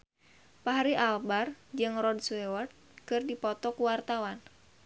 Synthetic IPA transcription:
paɦaɾiʔalbard͡ʒɨŋrɔdswɛwart̪̚kɨrdipɔt̪ɔkuwart̪awan

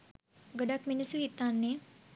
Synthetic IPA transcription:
ɡoɖakminəsuɦit̪ːanːe

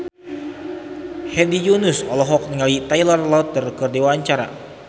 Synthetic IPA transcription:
hɛdijunusɔlɔɦɔk̚nəŋalit̪ajlərlat̪̚ːərkərdewaːɲt͡ʃaɾa̰

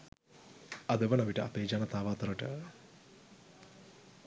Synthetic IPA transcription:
ɐd̪əʋənɐʋiʈəapeːd͡ʒaːnɐt̪aːʋaːt̪ɐɾəʈə̰

